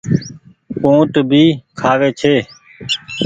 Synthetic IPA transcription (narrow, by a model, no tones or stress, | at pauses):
põːʈbʱiːkʰaːʋeːt͡ʃʰeː